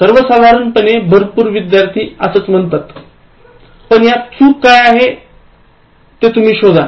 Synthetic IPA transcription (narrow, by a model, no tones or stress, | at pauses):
səɾʋəsad̪ʱaɾənpənebʱəɾpuːɾʋid̪jaɾt̪ʰiːəsəːt͡sm̤əɳt̪at̪ | pəɳjat̪t͡sʰuːkkːajaɦe | t̪et̪um̤iːɕod̪ʱa